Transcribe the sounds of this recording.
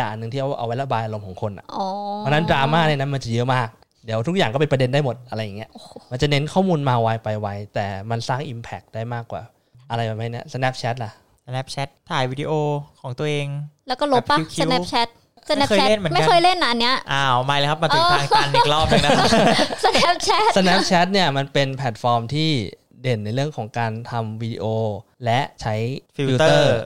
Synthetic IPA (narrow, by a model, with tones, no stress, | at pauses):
a˨˩ʔa˨nːɯ˨˩ŋʰi˥˩ʔa˧˩wʔa̰˧wa˦˥jla˧˩baː˧jʔa˧ɾo˧mkʰɔː˩˦ŋkʰo˧nːʔa̰˨˩ʔɔː˨˧˩ɔː˦˥na˦˥ndɾaː˧maː˥˩na˧jna˦˥nma˧t͡ɕa˨˩jɤ˦˥maː˥˩k̚ | di˨˦t̪ʰu˦˥k̚jaː˨˩ŋkɔ˥˩pe˧np̬ɾa˧de˧ndaː˥˩jmo˨˩t̪̚ʔa˧ɾa˧jːa˨˩ŋːi˦˥ɐʔo˧˩ma˧nt͡ɕa˨˩ne˦˥nkʰɔː˥˩muː˧nmaː˧wa˧˥jpa˧jwa˦˥jt̪ɛː˨˩ma˧nsaː˥˩ŋʔi˧mpʰɛ˨˩k̚daː˥˩jmaː˥˩kːwa̰ː˨˩ | ʔa˧ɾa˧jba˨˧˩ma˥˩jni˦˥ɐsə˧nɛ˦˥p̚t͡ɕʰɛ˦˥t̪̚la˨˩ | snɛ˦˥p̚t͡ɕʰɛ˦˥t̪ʰːaː˧˩jwiː˦˥di˧ʔoː˧kʰɔː˨˩˦ŋt̪u˧ʔeː˧ŋlɛ˦˥wkɔː˥˩lo˦˥pːa˥˧kʰisnɛ˦p̚t͡ɕʰɛ˦˥t̪̚ | sa˧nɛː˦kːʰɛ˦˥le˥˩nmɯ˩˦ma˥˩˦kɤː˧jle˥˩nːa˧˩ʔa˧nːi˦˥ɐʔaː˩˧ɔ˨˩maː˧jleː˧kʰa˦˥p̚ma˧nuɤː˥˧aː˧ŋː˧n˧lɔː˥˩˥p̚a˨˧˩sə˧nɛː˦˥p̚t͡ɕʰɛ˦˥t̪̚sa˧nɛ˦˥p̚t͡ɕʰɛ˦˥t̪̚ni˥˩ɐma˧npe˧npʰɛː˨˩t̪̚fɔː˧mt̪ʰiː˥˩ | de˨˩nːa˧jɾɯ˥˩əŋkʰɔː˩˦ŋkaː˧nt̪ʰa˧mwiː˧dḭ˧ʔoː˧lɛ˦˥ʔt͡ɕʰa˦˥jfʰi˧wi˧˦t̪ɤːɤː˥˩˧